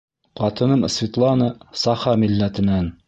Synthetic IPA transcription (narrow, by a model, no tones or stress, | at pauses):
qɑt̪ɤ̆nɤɴsvʲit̪lˠɑnɤsɑχɑmilːæt̪ɘ̆næn